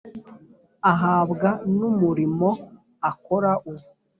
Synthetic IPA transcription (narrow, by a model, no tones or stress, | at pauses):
aɦaːbɡanumuɾimo̞ | akoɾaʔu